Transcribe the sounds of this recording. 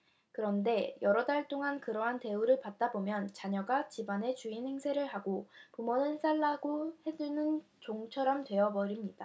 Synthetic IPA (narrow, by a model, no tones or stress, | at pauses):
kɯɾʌnde̞jʌɾʌdaɭt͈oŋankɯɾʌɦante̞uɾɯɭpat̚t͈abomjʌnt͡ɕaɲʌɡat͡ɕibane̞t͡ɕuinhe̞ŋsʰe̞ɾɯɭɦaɡopumʌnɯɭs͈aɭːaɡohe̞d͡ʑunɯn | t͡ɕoŋt͡ɕʰʌɾʌmtwe̞ʌbʌɾimɲid̥a